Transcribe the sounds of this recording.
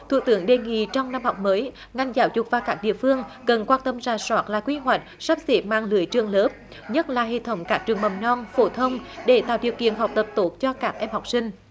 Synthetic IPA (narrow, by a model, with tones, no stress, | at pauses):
t̪ʰṵ˧˨t̪ɨ˨˦əŋɗe˨˩ŋḭ˧˨t͡ɕɔ˧wŋ͡mna˧mhɔ˨˩wk͡p̚məː˨˦j | ŋa˧˩jŋ̟zaː˨˦wzʊ˨˩k͡p̚vaː˨˩wkaː˦˥k̚ɗḭ˧˨əfɨ˧əŋkə˨˩nkwaː˧nt̪ə˧mzaː˧˩swaː˦˥t̚la̰ː˨˩kwi˧ɦwa˨˩jk̟̚sa˦˥p̚zi˨˦˥p̚maː˧ŋlɨ˧˩əjt͡ɕɨ˨˧˩əŋləː˨˦˥p̚ | ɲə˦˥t̚laː˨˩ɦḛ˧˨t̪ʰə˨˦wŋ͡mkaː˦˥k̚t͡ɕɨ˨˩əŋmə˨˩mnɔ˧nfo˧˩t̪ʰə˧wŋ͡mɗe˧˩t̪a̰ː˧˨wɗḭ˧˨əwkḭ˧˨ənɦa˨˩k͡p̚t̪ə˨˩p̚t̪o˦˥t̚t͡ɕɔ˧kaː˦˥k̚ʔɛ˧mhɔ˨˩wk͡p̚sï˧ŋ̟